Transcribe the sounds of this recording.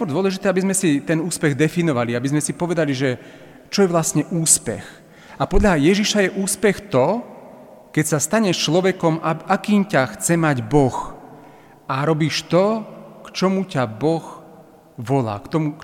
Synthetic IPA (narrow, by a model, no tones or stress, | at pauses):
kɔɾd̪ʊɔlɛʒit̪ɛːabizmɛsit̪ɛnuːspɛɣd̪ɛfinɔʋaliabizmɛsipɔʋɛd̪aliʒɛ | t͡ʃɔjɛʋlasɲɛʔuːspɛ̰x | apɔd̪ʎajɛʒiʃajɛʔuːspɛxt̪ɔ | kɛcsast̪aɲɛʃt͡ʃlɔʋɛkɔmaakiːmcaxt͡sɛmaɟbɔx | aɾɔbiːʃt̪ɔkt͡ʃɔmucabɔx | ʋɔla̰ːkt̪ɔmu